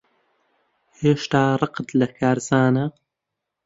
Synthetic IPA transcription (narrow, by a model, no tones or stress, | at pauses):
heːʃt̪aːrˤɨqd̪lɐkʰaːɾzaːnɐ